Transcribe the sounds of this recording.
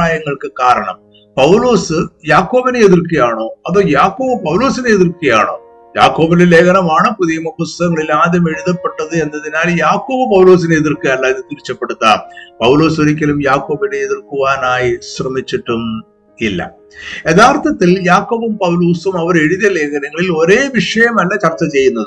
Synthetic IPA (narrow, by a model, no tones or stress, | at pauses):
aːjɐŋːɐɭkɨkaːɾɐɳɐ̰m | pɐwlo̞ːsɨjaːkːo̞ːbɐneeðirkɐjaːɳo̞ːɐðoːjaːkːo̞ːbɐpɐwlo̞ːsineeðirkɐja̰ːɳo̞̰ː | ja̰ːkːo̞ːbinele̞ːɡɐnɐmaːɳɐpuðijɐmɐpust̪ɐɣɐŋːɐɭilaːd̪jɐmeɻuðɐpːe̞ʈːɐðɨe̞nːɐðinaːljaːkːo̞ːbɐpɐwlo̞ːs̬ineeðirkɐjalːɐiðɨt̪iɾit͡ɕːɐpːeɽut̪ːaːpɐwlo̞ːsuɾikʲːɐlumjaːkːo̞ːbineeðirkuʋaːnaːjisrɐmit͡ɕːiʈːum | ilːɐ̰ | e̞ðaːrt̪ʰːɐt̪ːiljaːkːo̞ːbɐmpɐwlo̞ːsumɐʋɐɾe̞ɻuðjɐle̞ːkɐnɐŋːɐɭilo̞ɾe̞ːʋiʂɐjɐmɐlːɐt͡ɕɐrt͡ɕːɐt͡ɕe̞jːunːɐðɨ